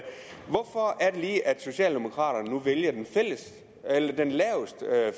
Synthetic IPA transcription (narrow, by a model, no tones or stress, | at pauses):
ʋɒfɒæɐd̥e̝liːʔæd̥so̝ɕɛ̰ːld̥e̝mo̝kʰʁɑ̰̈ːɾɐnənuʋeljɐd̥enfel̰əs | elɐd̥enlɛːʊsd̥ə